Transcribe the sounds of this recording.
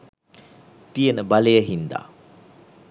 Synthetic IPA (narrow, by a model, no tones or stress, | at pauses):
t̪ijənəbalejəɦind̪a̰ː